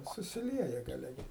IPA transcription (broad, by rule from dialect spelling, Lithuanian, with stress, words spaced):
sʊsʲɪˈlʲiɛjɛ ɡɐˈlʲɛ ˈɡʲɪ